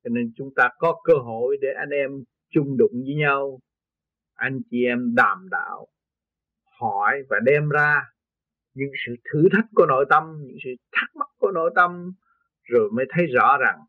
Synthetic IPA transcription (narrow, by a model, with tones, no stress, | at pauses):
t͡ɕɔ˧ne˧nt͡ɕʊ˨˦ŋ͡mt̪aː˧kɔ˨˦kəː˧ɦo˧˨jɗe˧˩ʔa˧jŋ̟ʔɛ˧m | t͡ɕʊ˧ŋ͡mɗʊ̰˧˨ŋ͡mzɨ˨˦ɲa˧w | ʔa˧jŋ̟t͡ɕi˧˨ʔɛ˧mɗaː˨˩mɗa̰ː˧˨w | hɔ˧˩jvaː˨˩ɗɛ˧mzaː˧ | ɲɨ̰˧˥ŋsɨ̰˧˨t̪ʰɨ˨˦t̪ʰə˦˥k̚ku˧˩˦no̰˧˩˨jt̪ə˧mɲɨ̰˧˥ŋsɨ̰˧˨t̪ʰa˦˥k̚ma˦˥k̚ku˧˩əno̰˧˥˨jt̪ə˧m | zo˨˩jməː˨˦jt̪ʰə˨˦jzɔ̰˧˥za˨˩ŋ